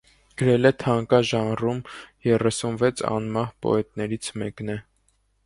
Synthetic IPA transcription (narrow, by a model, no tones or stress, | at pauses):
ɡ̥əɾɛlɛt̪ʰɑŋkɑʒɑnrumjɛrɛsunvɛt͡sʰɑ̰nmɑhpɔ̰ɛt̪nɛɾit͡sʰmɛknɛ